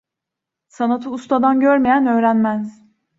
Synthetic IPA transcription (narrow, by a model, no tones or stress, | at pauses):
sanat̪ʰɯust̪ʰad̪anɟøɾmejænø̞ːɾænmæz